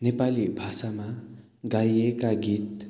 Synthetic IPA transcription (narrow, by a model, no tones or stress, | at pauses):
nepalibʱasama | ɡajekaɡit̪̚